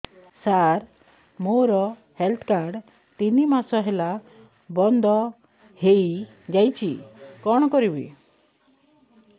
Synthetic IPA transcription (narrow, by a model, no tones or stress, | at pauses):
saɾ | moɾɔ | helt̪ʰkaɾɖ | t̪inimasɔɦela | bɔnd̪ʱɔ | hej | d͡ʒajt͡ʃʰikɔɽ̃ɔkɔɾibḭ